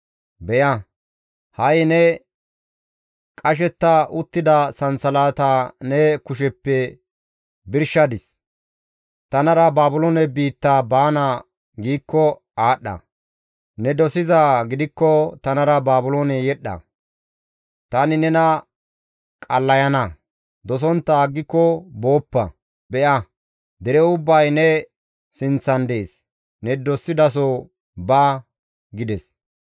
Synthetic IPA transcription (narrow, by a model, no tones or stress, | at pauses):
bɛjɐ | hɐjnɛ | kʼɐʃ̬ɛt̪ːɐʔʊt̪ːɪd̪ɐsɐnsɐlaːt̪anɛkʊʃ̬ɛpːɛ | bɪɾʃɐd̪ɪs | t̪ɐnɐɾɐbaːbʊloːnɛbiːt̪ːaːbaːna | ɡiːkːɔ | aːɗːɐ̰ | nɛd̪ɔsɪzaːɡɪd̪ɪkːɔt̪ɐnɐɾɐbaːbʊloːnɛjɛɗːɐ̰ | t̪aːnɪnɛnɐ | kʼɐlːɐjɐnɐ | d̪ɔs̬ɔnt̪ːɐːɡːɪkːɔbo̞ːpːɐ̰ | bɛʔɐ | d̪ɛɾɛʊbːɐjnɛ | sɪnt͡sːɐnd̪e̞ːs | nɛd̪ɔsːɪd̪ɐs̬o | baː | ɡɪd̪ɛs